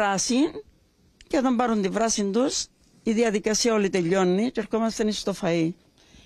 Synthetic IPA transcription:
ɾɐsin | ceot̪ɐmbɐɾund̪ivɾɐsind̪us | iðiɐðikɐsiɐo̞lit̪e̞ʎːo̞nːit͡ʃeɾxo̞mɐst̪enist̪o̞fɐi

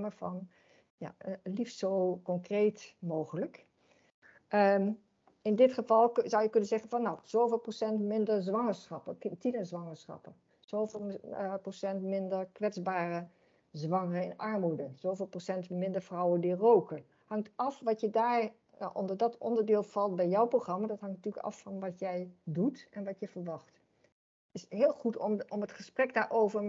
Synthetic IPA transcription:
məfɔn | ja̰liftsoːkɔŋkreːtmoːɣələk | ə | ɪndɪtχəvɑlˠzɔwjəkønənzɛɣənfɔnːaz̥oːvɪːlˠprosɛntmɪndərzʋɑŋəɹsχɑpətinəzʋɑŋəɹsχɑ̰pə | z̥ovlˠprosɛntmɪndərkʋɛd͡zbaːrə | zʋɑŋərəɪ̰nʔɑɹmudənz̥owvɪːlˠprosɛntmɪndəɹfrɔwəndirowkə | hɑŋtɑfʋɑtjədaːɹ | ʔɔ̰ndəɹdɔtɔ̰ndəɹdɪːlˠfɑlˠt̚bɛjjɔwproχrɑmadɔthɑŋntyːləkɑ̰fːɔnʋɑtjɛjdutɛnʋɑtjəfəɹʋɑxt | ɪsɦɪːlˠχutɔmətχəsprɛkdaːɹʔowvəɹ

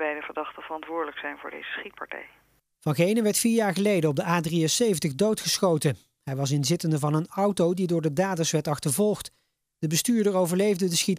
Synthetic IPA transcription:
bɛjdəvəɹdɑχtəv̥ərɑntʋʊːɹdələksɛjnvʊ̰ːɹdḛjzəsχit̚pɑɹtɛ̰j | vɑnχejnəʋɛɹtfiːɹjaːɹχəlejdənɔb̚dəaːdriəsejvəntəɣdowtχəsχowtə | ɦɛjʋɑs̬ɪnzɪtəndəvɑnənʌwtowdidʊːɹdədaːdəsʋɛɹtɑχtəɹvɔlˠχt | d̥əbəstyːɹdəɹowvəɹlejvdədəsχit

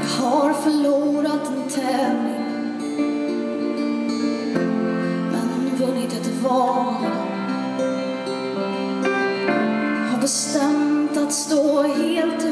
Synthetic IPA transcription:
haɾfœɭuːɾat̪ːɛnt̪ʰɛːvlɪŋ | mʔɛnhʊnvɵnːɪt̪ɛt̪vɑːn | d̪ɔm | haɾbɛst̪ɛmt̪at̪st̪oːɦeːlt̪

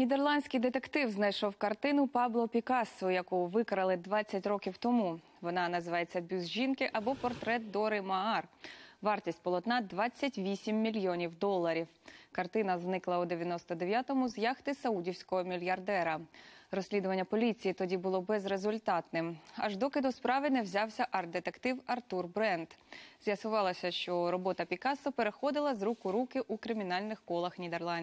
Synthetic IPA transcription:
nʲid̪erlˠɑnʲsʲkʲɪjd̪et̪ekt̪ɪwznɐjʃɔwkɐrt̪ɪnʊpɑblˠɔpʲikɑsɔjɐkuʋɪkɾɐlˠɪd̪ʋɑt͡sʲːɐtʲrɔkʲiwt̪ɔmu | ʋɔnɑnɐzɪʋɑjet͡sʲːɐbʲuzʒʲinkɪʔɐbɔpɔrt̪ɾɛt̪̚d̪ɔɾɪmɐɑrʋɑrtʲisʲtʲpɔlˠɔt̪nɑd̪ʋɑt͡sʲːɐtʲʋʲisʲimːʲilʲjɔnʲiwd̪ɔlˠːɐɾʲiwkɐrt̪ɪnɐznɪklˠɐud̪eʋʲjɐnɔst̪ɔd̪eʋʲjat̪ɔmʊzjɑxt̪ɪsɐudʲiwsʲkɔɦɔmʲilʲjɐrd̪ɛɾɐɾɔsʲlʲid̪ʊʋɐnʲːɐpɔlʲit͡sʲijit̪ɔdʲibʊlˠɔbɛzɾezʊlʲt̪ɑt̪nɪmɐ̰ʒd̪ɔkɪd̪ʊspɾɑʋɪnɛwzʲɑwsʲɐʔɐrd̪et̪ekt̪ɪwɐrt̪urbɾɛnd̪z̥ʲjɐsʊʋɑlˠɐsʲɐʃt͡ʃɔɾɔbɔt̪ɐpʲikɑsʊpeɾexɔd̪ɪlˠɐzɾukʊɾukɪʔukɾɪmʲin̪ɑlʲnɪxkɔlˠɐxnʲid̪erlˠɑnʲd

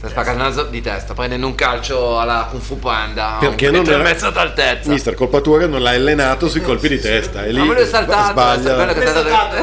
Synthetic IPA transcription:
saspakːat̪nad̪zod̪it̪ɛ̰st̪apɾɛnd̪ɛnd̪uŋkalt͡ʃoalːakuɱfupɛnd̪aperkenːõnɛɾamɛt̪sːot̪alt̪et̪smaist̪erkolpat̪uːakenːõnlajlenaːt̪osuikolpid̪it̪ɛst̪aɛlːimalujsalt̪at̪baʎːaɛlːokeat̪a

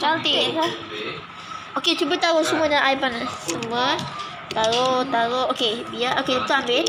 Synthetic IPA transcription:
t͡ʃalt̪ia | oket͡ʃubət̪aɾoʔsumənaʔajpanasəmə | t̪aɾot̪aɾoʔokebiaʔoket̪uambɪt

